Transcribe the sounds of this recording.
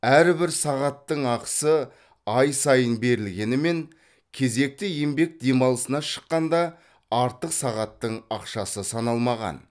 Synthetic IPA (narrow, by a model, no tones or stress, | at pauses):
æɾbɪɾsɑʁɑt̪ːəɴɑqə̥sə | ɑjsɑjənbe̞ɾɪlɡʲe̞nɪme̞ŋ | kʲʰe̞ze̞k̚t̪ɪjembe̞k̚d̪e̞mɑlˠəsənɑʃə̥qːɑnd̪ɑ | ɑɾt̪əqsɑʁɑt̪ːəɴɑqʃɑsəsɑnɑlˠmɑʁɑ̰n